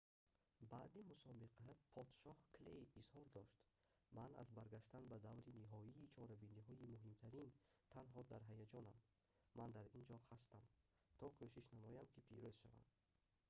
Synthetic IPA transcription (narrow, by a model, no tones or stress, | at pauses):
baːd̪imusɔbiqʰapʰɔd̪̥ʃɔhklḛjishɔɾd̪ɔʃt̪ | mana̰zbaɾɡaʃt̪anbad̪avɾiniɦɔiːt͡ʃʰɔɾabiniɦɔimuɦimt̪ʰaɾint̪ʰanɦɔd̪aɾɦajad͡ʒɔnamː | and̪aɾind͡ʒɔhast̪am | t̪ʰɔkʰøʃiʃnamɔjamkʰipʰḭɾøz̥ʃa̰va̰nd̪